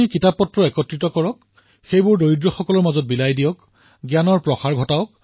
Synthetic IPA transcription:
ikitapːɔtɹɔɛkɔtɹitɔkɔɹɔk | xejbʊɹdojdɹɔxɔkɔlɔɹmazɔt̚bilajdijɔk | ɡjanɔɹpɹɔxaɹɡʱɔtaɔk̚

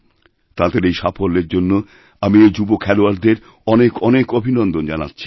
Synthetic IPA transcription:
t̪ad̪eɾejʃapʰoɾːeɾd͡ʑonːo | amied͡ʑubokʰɛloaɾd̪eɾ | ɔnekɔnekobʱinɔnd̪ond͡ʑana̰tːɕʰi̥

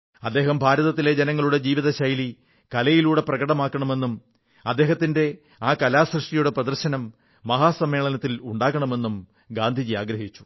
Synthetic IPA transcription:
ɐd̪ːe̞ːɦɐmbʱaːɾɐðɐt̪ːile̞d͡ʑenɐŋːɐɭuɽe̞d͡ʑiːʋiðɐɕɐjli | kɐlɐjiluːɽe̞prɐɡɐɽɐmaːkːɐɳɐme̞nːum | ɐd̪ːe̞ːɦɐt̪ːinde̞ | aːkɐlaːsrɨʂʈijuɽe̞prɐðɐrɕɐnɐmː | ɐɦaːsɐmːe̞ːɭɐnɐt̪ːiluɳɖaːɣɐɳɐme̞nːum | ɡaːnd̪ʱid͡ʑiaːɡɾɐɦit͡ɕːu̥

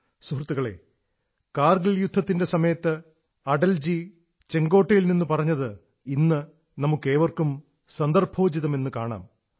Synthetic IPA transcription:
suɦrɐt̪ːuɣɐɭe̞̰ː | kaːrɡiljud̪ʱːɐt̪ːinde̞sɐmɐjɐt̪ːɨ | ɐɖɐld͡ʑi | t͡ɕe̞ŋɡo̞ːʈːɐjilninːupɐrɐɲːɐðɨ | inːɨ | nɐmukːe̞ːʋɐrkum | sɐnd̪ɐrbʱʰoːd͡ʑiðɐme̞nːukaːɳa̰ːm

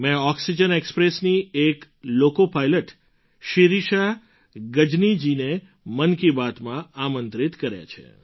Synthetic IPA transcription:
mɛ̃ɔksid͡ʒənekspɾesniek | lokopajləʈ | ʃiɾiʃa | ɡəd͡ʒnid͡ʒine | mənkibat̪mãamənt̪ɾit̪kəɾja̰t͡ʃʰḛ

